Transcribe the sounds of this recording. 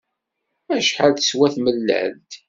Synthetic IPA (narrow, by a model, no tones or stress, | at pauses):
æʃħalθə̥swæθməlːə̰ʕ̰lt̪